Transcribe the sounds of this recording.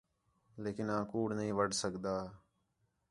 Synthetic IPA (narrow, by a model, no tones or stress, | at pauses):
leːkɪnãːkuːɽnəɦĩːʋəɖsəkd̪aː